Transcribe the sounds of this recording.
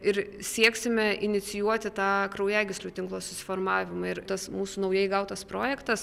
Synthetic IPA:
ɪɾsʲiɛksʲɪmʲɛʔɪnʲɪsʲɪjuɔt̪ʲɪt̪ɑːkɾɐʊjæːɡʲɪsʲlʲuːt̪ʲɪŋklˠoːsʊsʲɪ̥foːrmɑːʋʲɪmɐɪɾt̪ɐsmuːsuːnɐʊjɛɪɡɐʊt̪ɐspɾoːjɛkt̪ɐs

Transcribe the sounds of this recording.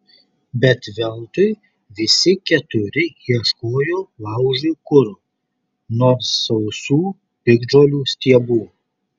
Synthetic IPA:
bʲɛt̪ʋʲɛlˠt̪ʊɪ | ʋʲɪsʲɪkʲɛt̪ʊɾʲɪiɛʃkoːjoːlˠɑˑʊʒʲuːkʊɾuː | noːssɐʊsuː | pʲɪɡd͡ʒoːlʲuːsʲt̪ʲiɛbuː

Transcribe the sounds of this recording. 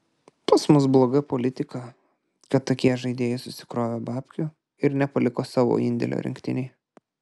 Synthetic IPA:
pɐsmʊsblˠoːɡɐpoːlʲɪt̪ʲɪkɐ | kɐt̪t̪ːɐkʲiɛʒɐɪd̪ʲeːjɛɪsʊsʲɪ̥kɾoːʋʲoːbɑːpʲkʲʊ | ɪɾnʲɛpɐlʲɪkoːsɑːʋo̰ɪnʲd̪ʲɛ̰lʲo̰ːɾʲɪ̰ŋʲkt̪ʲɪnʲɛɪ

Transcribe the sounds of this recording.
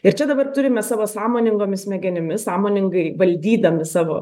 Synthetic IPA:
ɪɾt͡ʃʲɛd̪ɐbɐrt̪ʊɾʲɪmʲɛsɑːʋoːsɑːmoːnʲɪŋɡoːmʲɪsmʲɛɡʲɛnʲɪmʲɪssɑːmoːnʲɪŋɡɐɪʋɐlʲd̪ʲiːd̪ɐmʲɪsɑːʋo̰ː

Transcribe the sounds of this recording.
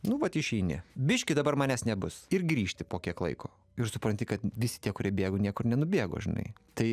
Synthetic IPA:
nʊʋɐt̪ɪʃʲɛɪnʲɪ̰bʲɪʃʲkʲɪd̪ɐbɐrmɑːnʲæːsnʲɛbʊsɪrɡɾʲiːʃʲt̪ʲɪpoːkʲiɛklˠɐ̰ɪkʰoː | ɪɾsʊpɾɐnʲt̪ʲɪkɐt̪ʋʲɪsʲɪ̥t̪ʲiɛkʊɾʲiɛbʲeːɡonʲiɛkʊrnʲɛnʊbʲeɛɡo̰ʒʲɪnɐ̰ɪt̪ɐɪ

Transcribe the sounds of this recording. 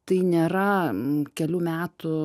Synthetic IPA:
t̪ɐɪnʲeːɾɐkʲɛlʲuːmʲæːt̪ʊ

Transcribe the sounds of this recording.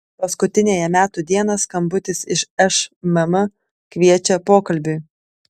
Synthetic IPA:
pɐskʊt̪ʲɪnʲeːjɛmʲæːt̪ʊd̪ʲiɛnɐskɐmbʊt̪ʲɪsɪʃɛʃmɐmɐ | kʲʋʲiɛt͡ʃʲɛpoːkɐlʲbʲʊɪ

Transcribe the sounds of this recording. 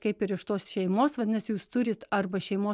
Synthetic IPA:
kɐɪpɪɾɪʃt̪oːsʃʲɛɪmoːsʋɐnʲɛsjuːst̪ʊɾʲɪt̪ɐrbɐʃʲɛɪmoː

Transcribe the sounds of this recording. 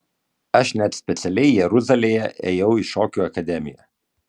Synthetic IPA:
ɐʃnʲɛt̪sʲpʲɛt̪sʲɛlʲɛɪjɛɾʊzɐlʲeːjɛʔḛːjɛʊɪʃoːkʲuːɐkɐd̪ʲɛmʲɪ̰jɛ̰

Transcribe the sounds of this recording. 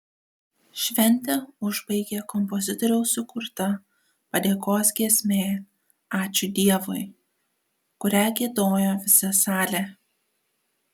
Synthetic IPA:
ʃʲʋʲɛnʲt̪ʲɛʊʒbɐɪɡʲekɔmpɔzʲɪt̪ɔɾʲɛʊsʊkʊɾt̪ɐ | pɐd̪ʲeːkoːs̬ɡʲiɛsʲmʲeː | ɑːt͡ʃʲʊd̪ʲiɛʋoɪ | kʊɾʲæɡʲiɛd̪oːjoːʋʲɪsɐsɑːlʲe

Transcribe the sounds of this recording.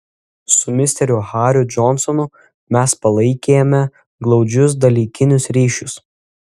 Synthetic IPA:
sʊmʲɪsʲt̪ʲɛɾʲʊhɑːɾʲʊd͡ʒɔnsɔnʊ | mʲɛspɐlˠɐɪkʲeːjɛmʲɛ | ɡlˠɒʊd͡ʒʲʊs̬d̪ɐlʲiːkʲɪnʲʊsɾʲiːʃʲʊs

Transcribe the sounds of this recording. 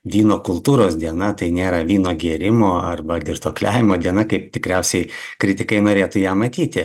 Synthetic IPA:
ʋʲiːnoːkʊlˠt̪uːɾoːsd̪ʲiɛnɐt̪ɐɪnʲeːɾɐʋʲiːnoːɡʲiɛɾʲɪmoːɐrbɐd̪ʲɪrt̪oːklʲæːʋʲɪmoːd̪ʲiɛnɐkɐɪp̚t̪ʲɪkɾʲɛʊsʲɛɪkɾʲɪt̪ʲɪkɐɪnoːɾʲeːt̪ʊjæːmɐt̪ʲiːt̪ʲɪ

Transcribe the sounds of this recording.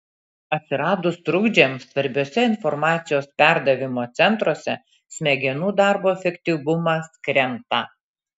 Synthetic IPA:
ɐt̪ʲsʲɪɾɑːd̪ʊst̪ɾʊɡd͡ʒʲemsʋɐɾʲbʲoːsʲɛɪnfɔɾmɑːt̪sʲɪjoːspʲæˑɾd̪ɐʋʲɪmoːt̪sʲɛnt̪ɾoːsʲɛ̰ | sʲmʲɛɡʲɛnuːd̪ɑɾboːɛfʲɛkʲt̪ʲiʋʊmɐskɾʲɛnt̪ɑ

